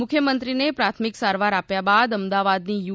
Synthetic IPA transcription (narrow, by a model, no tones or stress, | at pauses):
ʊkʰjəmənt̪ɾinepɾat̪ʰmiksaɾʋaɾapjabad̪əmd̪aʋad̪niju